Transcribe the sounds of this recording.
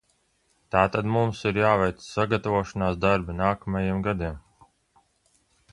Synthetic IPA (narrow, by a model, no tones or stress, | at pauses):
t̪aːt̪ad̪mumsiɾjaːvɛjt̪ssaɡat̪avuɔʃɔnaːsd̪aɾbinaːkamajemɡad̪im